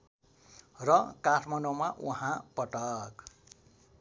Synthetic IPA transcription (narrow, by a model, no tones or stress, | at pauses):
rʌkaʈʰmanomaʔuɦãpʌʈʌk